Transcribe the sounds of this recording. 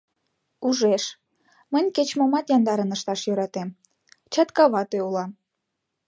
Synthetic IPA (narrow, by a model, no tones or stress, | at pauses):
uʒeʃ | mənʲket͡ɕmomɑt̪jɑnd̪ɑɾənəʃt̪ɑʃjøɾɑt̪em | t͡ɕɑt̪kɑβɑt̪øulɑm